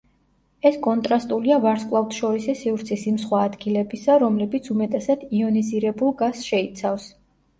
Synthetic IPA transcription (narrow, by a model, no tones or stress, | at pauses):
ɛskʼɔnt̪ʼɾast̪ʼuliavaɾskʼlˠaft̪ʰʃɔɾisisivɾt̪sʰisimsχwaːd̪ɡilɛbisaɾɔmlɛbit̪sʰumɛt̪ʼɛsat̪ʰiɔniziɾɛbulˠɡaz̥ʃɛit̪sʰafs